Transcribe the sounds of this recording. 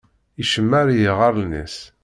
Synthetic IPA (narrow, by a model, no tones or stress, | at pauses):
iʃəmːæɾjiʁɑɾˤnḭs